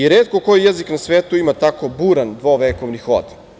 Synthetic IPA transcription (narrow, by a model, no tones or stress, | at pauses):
iɾeːt̪̚kokojijeziknasʋeːt̪uimat̪ako̞buːɾand̪ʋoʋekoʋnixo̰d̪